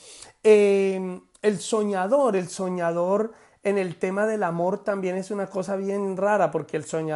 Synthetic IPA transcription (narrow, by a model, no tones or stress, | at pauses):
e | elso̞ɲaðo̞ɾe̞lso̞ɲaðo̞ɾ | e̞ne̞lt̪e̞maðe̞lamo̞ɾt̪ambje̞ne̞sunako̞saβje̞nraɾapo̞ɾke̞ːlso̞ɲa